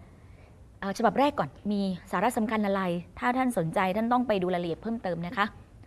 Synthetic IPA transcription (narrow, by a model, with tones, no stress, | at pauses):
ʔɤː˨˩t͡ɕʰa˧ba˨˩p̚ɾɛː˥˩kːɔː˨˩nmiː˧saː˩˦ɾa˦˥ʔsa˩˦mkʰa˧nʔa˧ɾa˧jt̪ʰaː˥˩t̪ʰa˥˩nso˩˦nt͡ɕa˧jt̪ʰa˥˩nt̪ɔ˥˩ŋpa˧jduː˧la˧li˨˩əpʰːɤː˥˩mt̪ɤː˧mna˦˥kʰa˦˥ʔ